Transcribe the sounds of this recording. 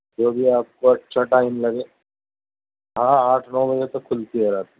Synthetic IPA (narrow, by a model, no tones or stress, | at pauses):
d͡ʒoːbʱiaːp̚kot͡ʃʰɐʈaːɪmlɐɡeː | ɦãːaːʈʰnɔːbɐd͡ʒet̪okʰːʊlt̪ieɾaːt̪i